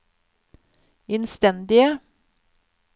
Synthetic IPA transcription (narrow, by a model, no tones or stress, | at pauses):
ɪnst̪ɛnd̪ɪə